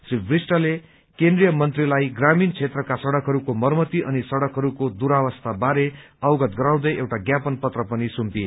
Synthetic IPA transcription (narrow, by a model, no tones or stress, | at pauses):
sibrisʈʌle | kend̪rijʌmʌnt̪rilajɡramint͡sʰet̪rʌkasʌɽʌkɦʌɾukomʌrmʌt̪iʔʌnisʌɽʌkɦʌɾukod̪uɾawʌst̪ʰabaɾeʌwɡʌt̪ɡʌɾaw̃d̪ʌjewʈaɡjapʌnpʌt̪rʌpʌnisumpie